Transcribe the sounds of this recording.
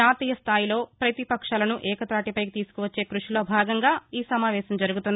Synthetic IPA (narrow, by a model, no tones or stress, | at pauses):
aːt̪iːjɐst̪ʰaːjilo̞ːpɾɐt̪ipɐkʂaːlɐnuʔɛːkɐt̪ɾaːʈipɐjit̪iːsu̥kuʋɐt͡ʃːe̞ːkɾuʂilo̞ːbʱaːɡɐŋɡaːiːsɐmaːʋɛːʃɐmd͡ʒɐɾuɡut̪und̪i